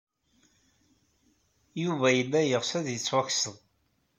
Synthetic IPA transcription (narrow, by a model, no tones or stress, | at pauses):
juvæjəlːæjəʁsæðjət͡sːwæçsəðˤ